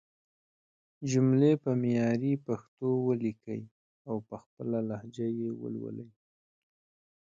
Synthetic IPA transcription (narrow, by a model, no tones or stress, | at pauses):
d͡ʒumlepəmjɑɾipaxt̪owəlikəj | awpəxpəlalahd͡ʒajewə̰lwə̰ləj